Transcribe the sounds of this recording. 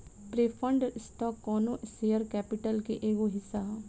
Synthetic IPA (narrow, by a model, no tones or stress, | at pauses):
pɾeːfʰɐ̃ɳɖsʈɔːkːɔːnõseːəɾkɛːpɪʈəlkeʔeːɡoɦɪsːaɦɛ̃ː